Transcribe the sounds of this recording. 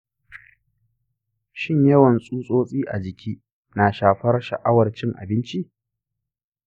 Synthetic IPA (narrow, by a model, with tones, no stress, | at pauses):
ʃɪ˦˨ɲjɐ˦wɐ˨nsʼuː˦sʼoː˦sʼiː˦ʔa̰˨d͡ʒɪ˨kʲʰiː˦ | na˨ʃaː˨ɸɐ˦rʃɐ̰˨ʔa˦wɐ˨rt͡ʃɪ˦ŋʔa̰˨bɪ˦nt͡ʃi˦